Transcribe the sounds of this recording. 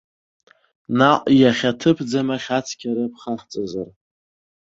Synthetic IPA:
naqʼjaχʲatʰɨpʰd͡zamaχʲat͡sʰkʲʰaɾɨpʰχaħt͡sʼazar

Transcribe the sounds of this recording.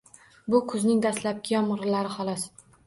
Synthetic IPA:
bʊkʰʊznɪŋd̪aslap̚kʲɪjɒmɾlaɾɪhɒlˠɒs

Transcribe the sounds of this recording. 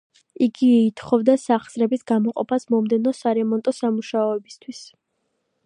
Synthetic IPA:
iɡiːt̪ʰχɔvd̪asaχsɾɛbisɡamɔqʼɔ̰pʰasmɔmd̪ɛnɔsaɾɛmɔnt̪ʼɔsamuʃaɔɛbist̪ʰwis

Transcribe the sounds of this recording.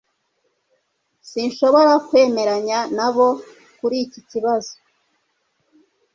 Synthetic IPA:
sinʃo̞βo̞ɾakwe̞ːme̞ɾaɲanaβo̞ | kuɾiciciβazo̥

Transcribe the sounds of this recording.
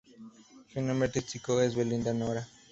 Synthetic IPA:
ʃunõmeɾt̪ist͡sikoezβelind̪anoɾa

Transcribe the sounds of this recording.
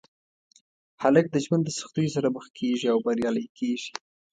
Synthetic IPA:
halək̚d̪əʒwand̪əsə̥xt̪ujosaɾabəxkʰeʒiawbaɾjɑləjkʰeʒi̥

